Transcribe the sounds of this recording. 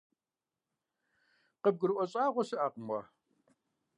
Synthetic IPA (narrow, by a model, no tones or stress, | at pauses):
qəb̚ɡɨɾʔʷɔɕʼaːʁʷɔsɨʔaːqmwɑ